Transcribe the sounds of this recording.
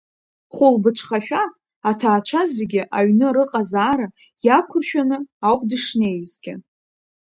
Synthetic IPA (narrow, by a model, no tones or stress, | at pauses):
χʷʊlbɨʈ͡ʂʷʰχaʃᶣaː | tʰaːt͡ʃʷʰazeɡʲɪʔaɥnɨɾɨqʼazaːɾa | jakʷʰʊrʃᶣanɨawkʷʼdɨʂne̞jzɡʲɪ